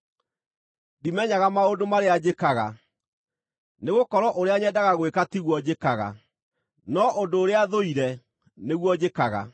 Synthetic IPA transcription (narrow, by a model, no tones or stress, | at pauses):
dimɛɲaɣamaodomaɾead͡ʑekaɣa | neɣokɔɾɔʔoɾeaɲɛdaɣaɣwekatiɣwɔd͡ʑekaɣa̰ | nɔʔondoːɾeaðoiɾɛ | neɣwɔd͡ʑekaɣa̰